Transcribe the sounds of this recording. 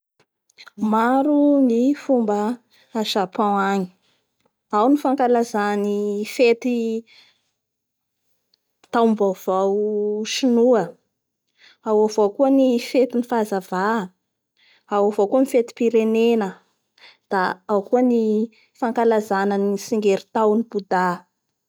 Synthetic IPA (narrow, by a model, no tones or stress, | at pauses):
maɾunifumbə | aʃapãaɲi̥ | awnifaŋkalazanifet̪i | t̪awmbav̥awʃinuə | awavokuənifet̪inifazava | awavokuənifet̪i̥piɾenenə | d̪̥aawkuəni | faŋkalazanənisiŋɡeɾit̪awnibud̪a